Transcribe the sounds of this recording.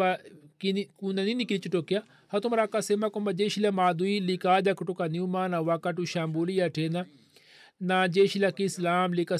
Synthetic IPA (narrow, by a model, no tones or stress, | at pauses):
akinikunaninikilit͡ʃuʈokja | hɐt̪umɾakasemakombad͡ʒeʃilamaːd̪uilikaːd͡ʒakuʈokaniumaːnaʋakaʈuʃambulijaʈʰena | nad͡ʒeʃilakislaːmlika